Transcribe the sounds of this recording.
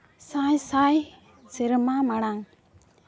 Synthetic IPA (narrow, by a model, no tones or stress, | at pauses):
sajsaj | siɾmamaɽaŋ